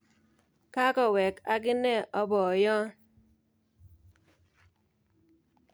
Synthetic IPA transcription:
ka˦kɔ˨wɛ˨ka˨kɪ˦nɛ˦˨ʔɔ˦bɔ˨jɔ˦

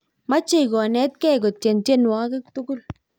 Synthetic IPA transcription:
ma˦t͡ʃe˦˨kɔ˨nɛ˨˦t̚kɛ˦˨k̬ɔ˨t͡ʃe˨nt͡ʃe˦nwa˦ke˦ktu˦kʊ˦l

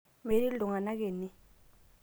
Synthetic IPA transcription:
me˨˦li˦lu˨ŋa˨na˦k̬eː˨ni˦

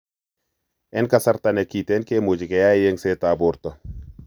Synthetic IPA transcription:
ɛ˦nka˨sa˦ɾta˦nɛ˨ki˨tɛ˦nke˦mo˨d͡ʒɪ˨kɛ˨ja˦je˦ŋse˦ta˨bʊ˨ɾt̪ɔ˨

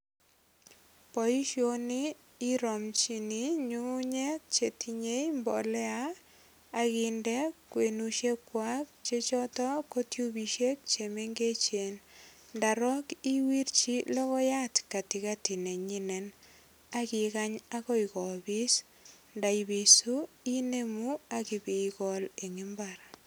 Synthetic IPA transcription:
pɔ˨i˦ʃio˦niː˦ | ɾɔ˨mt͡ʃi˦ni˦ɲu˦ɲe˦t͡ʃe˨tiɲe˦jmbɔ̰˨lɛ˦aː˦ | ɣɪndɛ˦kwe˨nuʃe˦kwa˦k̚t͡ʃe˦t͡ʃɔ˦tɔ˦ko˦tju˦bi˨ʃe˦k̚t͡ʃe˨me˦ŋɡe˦t͡ʃe˨nnda˨ɾɔ˦ki˦wi˦rt͡ʃi˦lɔ˦ɣɔ˦ja˦tka˨ti˨ka˦ti˨ne˨ɲi˦nɛ˨n | a˦ki˨ka˦ɲa˦kɔ˦ikɔ˨bi˦s | nda˨ibi˨su˦ | i˦ne˦mu˦a˦ki˨bi˨kɔ˦le˨ŋi˦mbaɾ

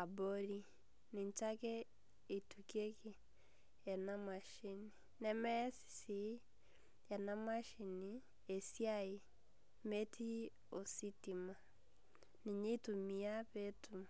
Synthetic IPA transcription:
a˨bo˦ɾi˦ | ni˨ɲt͡ʃa˦kɛ˦ | i˨tuke˦ki˦˨ | ja˨na˦ma˨ʃi˦ni˨ | nɛ˦mɛ˦s | si˨ | ja˨na˦maʃi˨ni | e˨sja˦i | me˦tʰi˦ | o˨si˦ti˨ma˨ | ni˨ɲi˦tu˨mia˦βetuma

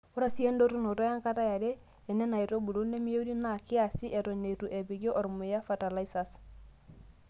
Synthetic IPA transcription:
o˦ɾa˨si˦e˦ndo˦ɾu˦no˨to˦ja˦ŋka˦ta˦ja˨deː˦˨ | nɛ˦na˨i˨ɾo˦bu˨lu˦ne˦mi˦o˦u˦di˦na˦˨kɪ˦a˨si˦ʔe˨ɾo˨ɲe˨tu˨ʔe˨bi˨ɡo˦ʔɔ˨ɾmu˨ja˦fa˨ta˨la˦i˦sa˨s

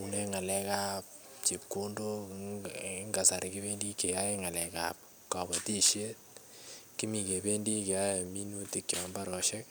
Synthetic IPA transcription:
u˨nɛ˦ŋa˨lɛ˨ka˦p̚ | t͡ʃi˨p̚ku˦ndo˦ | ŋɡa˨sa˨ɾɪki˦be˦ndi˦ke˨ja˦e˦ŋa˨lɛ˨ka̰p̚ | ka˨ba˨ti˦ʃe˦t̚ | ki˦mi˨ke˨be˦ndi˦ke˨ja˦je˨mi˦nu˦ti˦k̚t͡ʃɔ˨ma˦mba˦ɾɔ˨ʃɛ˦k̚

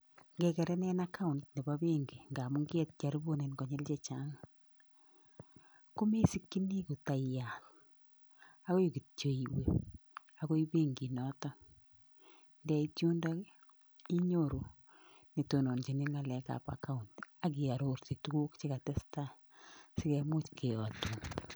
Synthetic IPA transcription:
ŋɡɛ˨kɛ˨ɾɛ˦nɛ˦nakʰa˦u˨ntne˨ba˦be˦ŋɡi˨ŋɡa˨mu˦ŋɡɛ˦t̚t͡ʃa˨ɾbo˦ne˨nkɔ˨ɲɛ˦lt͡ʃɛ˨t͡ʃa˦ŋ | ku˦me˦si˦kːi˦ni˦ku˨ta˨ja˨t | a˦ko˦ji˨ki˨tt͡ʃo˨i˨we˨ | a˦ko˦iβe˦ŋɡi˨nɔ˦tɔ˦ | ndɛ˦itu˦nda˦ | i˦ɲoɾo˨ | ne˨to˨no˨nt͡ʃi˨ni˦ŋa˨lɛ˨ka̰˨pa̰ka˦unta˨k̬i˨a˨ɾoɾti˨tu˦ku˦kt͡ʃi˦ka˨tɛ˦sta˦ | sɪ˦kɛmu˦t͡ʃkʰe˨ɔ˨tu˨ŋ

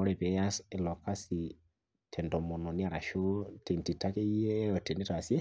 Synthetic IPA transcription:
ɔ˦ɾɛ˨pɛ˨˦ja˦sɛ˨lɔ˨ka˦si˨ | tʰɛ˨ndɔ˨mɔ˨nɔ˨ni˦a˨ɾa˨ʃo˦te˨nti˨ta˦kɛ˦ɛ˦ɔ˨tɛ˨nɛ˦ta˨sɛ˦

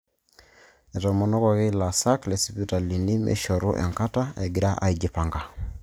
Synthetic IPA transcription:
ɛ˨tɔ˨mɔ˨nɔ˦kɔ˨ɣe˦la˨sa˦klɛ˨si˨pi˦ta˨li˨ni˦mʔḛ˦ʃɔ˨ɾṵ˦ʔɛ̰˨ŋka˦ta˦ɛ˨ɡi˨ɾa˦ʔa̰˨i˨d͡ʒi˨pa˨ŋɡa˨

